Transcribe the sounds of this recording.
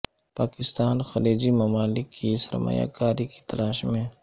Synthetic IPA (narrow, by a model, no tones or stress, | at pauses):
paːkɪst̪aːnxɐleːd͡ʒimɐmaːlɪkːisə̰ɾma̰ja̰ːkaːɾiki̥t̪ɐlaːʃmẽ